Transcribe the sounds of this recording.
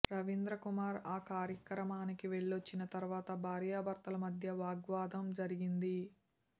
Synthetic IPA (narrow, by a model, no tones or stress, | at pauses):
ɾɐʋind̪ɾɐkumaːɾaːkaːɾjɐkɾɐmaːnikiʋeɭːot͡ʃːinɐt̪ɐɾuʋaːt̪ɐbʱaːɾjaːbɐɾt̪ɐlɐmɐd̪ʱjɐʋaːɡʋaːd̪ʱɐmd͡ʒɐɾiɡind̪i